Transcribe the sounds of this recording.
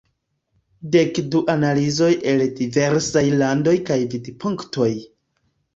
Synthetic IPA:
de̞kduʔanalizo̞jʔe̞ldive̞ɾsajlando̞jkajvidipʰuŋkto̞j

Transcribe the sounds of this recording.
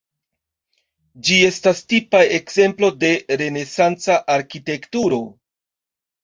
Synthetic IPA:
d͡ʒie̞stastipaekze̞mplo̞de̞ɾe̞ne̞sant͡saʔaɾkite̞ktuɾo̞

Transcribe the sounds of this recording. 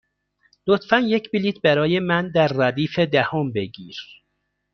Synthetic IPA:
lot̪fænjecʰbiliːt̪̚ʰbæɾɒːjemænd̪æɾːæd̪iːfed̪æhombe̞ɡiːɾ

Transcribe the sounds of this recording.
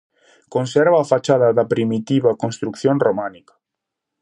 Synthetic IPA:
konsɛɾβaːfat͡ʃaðɐðɐpɾimit̪iβɐkonst̪ɾukθjoŋromãnikɐ̥

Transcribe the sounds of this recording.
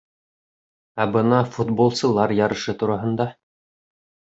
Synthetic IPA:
æbɤnɑfut̪̚bolˠsɤ̆lˠɑɾjɑɾɤ̆ʃɤt̪uɾɑɦɤ̆nd̪ɑ

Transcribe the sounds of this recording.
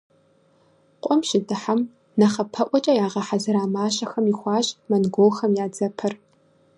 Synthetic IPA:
qʷʼɔmʃɪdɨħam | nɐχɐpʰɐʔʷʼɔt͡ʃʼɐjaːʁɐħazɨɾaːmaːɕɐxɐmixʷɑːɕʼmɐnɡʷoːlxɐmjaːd͡zɐpʰɐr

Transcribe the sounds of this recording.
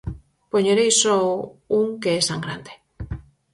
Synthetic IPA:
poɲoɾejsouŋkeest̪aŋɡɾa̰nd̪e

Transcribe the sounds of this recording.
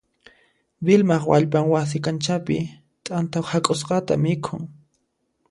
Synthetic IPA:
bɪlmɑχwa̰ʎpaŋwas̬ɪkant͡ʃapɪ | t̪ʼant̪awhakʼʊsqɑt̪a̰mɪkʰʊŋ

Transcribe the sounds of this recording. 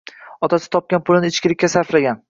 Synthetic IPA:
ɒt̪ʰasɪ̥t̪ʰɒp̚kʲanpʰʊlɪnɪɪt͡ʃkʲɪlɪkʲːasaɾflaɡʲan

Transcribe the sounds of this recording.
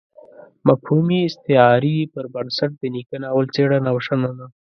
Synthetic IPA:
mafhumiɪst̪ɪɑɾipəɾbənsaʈ̚d̪ənikənawəlt͡seɽanawʂanana

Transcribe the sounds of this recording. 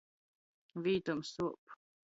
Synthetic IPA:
viːt̪umsup

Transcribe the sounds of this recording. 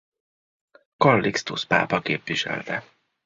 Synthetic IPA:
kɒlːikst̪uspa̰ːpɒkeːpʋiʃɛ̰lt̪ɛ

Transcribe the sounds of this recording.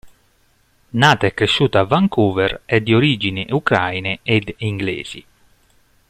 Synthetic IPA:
naːt̪aɛkːɾeʃːuːt̪avːaŋkuːveɾɛd̪ːioɾid͡ʒiniʔukɾa̰jneed̪iŋɡlḛːz̥ḭ

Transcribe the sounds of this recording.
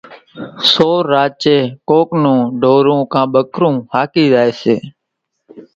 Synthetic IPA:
soːɾːaːt͡ʃeːkoːknõːɖʱoːɾõːkãːɓəkʰɾũːhaːkiːzaːeːseː

